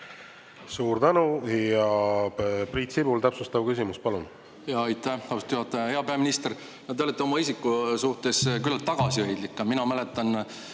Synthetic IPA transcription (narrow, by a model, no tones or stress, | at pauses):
suːɾt̪ænujɑ | prit̪sibult̪æpsust̪ɑvkysimuspɑlun | jɑjt̪ːˑæɑst̪juhɑt̪ˑːhe̞ɑpeɑminist̪er | nɑd̪ælet̪ːio̞mɑisikːˑusuht̪e̞skylːɑlt̪ːɑɡ̥ɑsiøjd̪̥likːˑɑminɑmæle̞t̪ːˑɑn